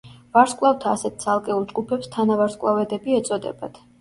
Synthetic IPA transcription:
vaɾskʼlˠavt̪ʰaːsɛt̪̚t̪sʰalˠkʼɛulˠd͡ʒɡupʰɛpst̪ʰanavaɾskʼlˠavɛd̪ɛbiɛt̪sʼɔd̪ɛ̰bad̪̥ʰ

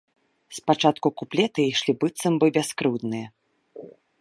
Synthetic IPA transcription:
spat͡ʂat̪kukuplʲɛt̪ɨiʂlʲibɨt̪sɐmbɨbʲaskɾɨwd̪nɨjɐ

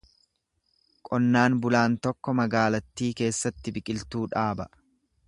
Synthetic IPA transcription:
kʼɔnːaːnbʊlaːnt̪ɔkːɔmɐɡaːlɐt̪ːiːke̞ːsːɐt̪ːɪbɪkʼɪlt̪uːᶑaːbɐ

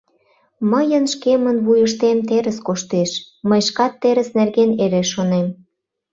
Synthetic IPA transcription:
məjənʃkemənβujəʃt̪emt̪eɾə̆skoʃt̪eʃ | məjʃkɑt̪ːeɾə̆snerɣeneɾeʃːonem

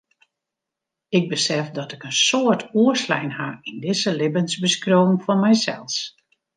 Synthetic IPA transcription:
ɪɡ̚bəsɛfdɔtɪkənsoətuəslɛ̰jnhaindɪzəlɪbənzbəskroːmmfɔnmɛjsɛ̰lˠs

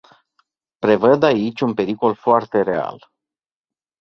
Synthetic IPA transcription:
pɾe̞vəd̪ait͡ʃʲunpe̞ɾiko̞lfoart̪e̞ɾe̞a̰l

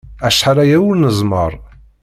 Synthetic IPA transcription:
æʃħaɾˤæjæwʊɾnəzˤməɾˤ

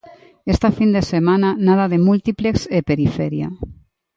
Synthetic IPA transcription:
est̪afind̪esemananaðaðemult̪iplekszepeɾifɛɾja̰

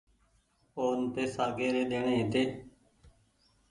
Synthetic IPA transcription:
oːnt̪eːsaːɡeːɾeːd̪eːɳ̃ẽːeːt̪eː

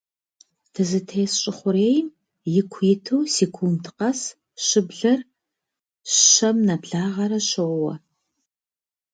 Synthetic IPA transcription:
tʰɨzɨtʰeːsɕʼɪχʷʊɾeːjm | jɪkʷʰjɪtʰuwsekʷʰuːntʰɨqɐs | ɕɨbɮɐr | ɐmnɐbɮaːʁɐɾɐɕowɐ̰

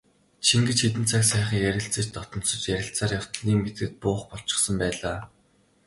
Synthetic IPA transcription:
t͡ɕʰiŋɡet͡ɕxet̪̬ɘ̆n̥t͡sʰaksæːχə̆ŋjæɾʲɪ̆ɬt͡sə̆t͡ɕt̪ɔt̪ɞ̆nt͡sɞ̆t͡ɕjæɾʲɪ̆ɬt͡saːrjaw̥t̪ə̆ɮiːŋmmet̪̚ɡɘ̆t̪̚pʊːχpɔɬt͡ɕɪ̥̆χsə̆mpæːɮaː

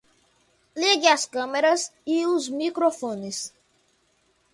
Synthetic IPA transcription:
leɡɪɐskɐ̃meɾɐsiuzmikɾofõnɪs

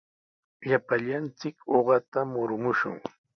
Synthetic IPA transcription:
ʎapaʎant͡sɪkoɢɑt̪amʊɾmʊʃʊ̰ŋ

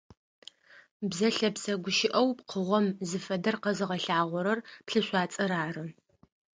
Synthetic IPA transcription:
bzɐɬɐpsɐɡʷʊʃɪʔɐwpqʰəʁʷɔmzɨfɐdɐrqɐzɨʁɐɬaːʁʷɔɾɐrpɬɨɕʷɑːt͡sʼɐɾaːrɨ

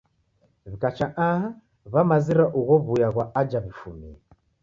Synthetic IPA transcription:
βikat͡ʃaʔaɦa | βamaziɾaʔuɣɔβujaɣwaad͡ʒaβifumḭa

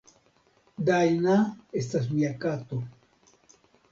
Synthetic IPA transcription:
d̪ajnaest̪as̬wjakat̪o

